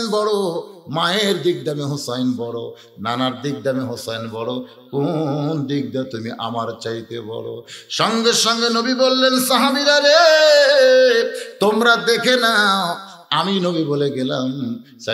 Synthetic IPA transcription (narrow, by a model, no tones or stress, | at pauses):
nbɔɽomaeɾd̪ik̚d̪ameɦosajnbɔɽo̰ | nanaɾd̪ik̚d̪ameɦosajnbɔɽo | kond̪ik̚d̪at̪umiʔa̰maɾt͡ɕajt̪ebɔ̰ɽo̰ʃɔŋɡeɾʃɔŋɡenobibolːensaɦabid̪aɾe | t̪omɾad̪ekʰena | aminobiboleɡelam | sa